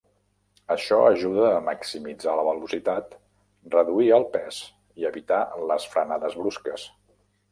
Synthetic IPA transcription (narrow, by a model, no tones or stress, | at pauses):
əʃɔəʒuðəːməksimid͡zaləβəlusit̪at̪ | rəðuiəlˠpɛs | iəβit̪aləsfɾənaðəzβɾuskəs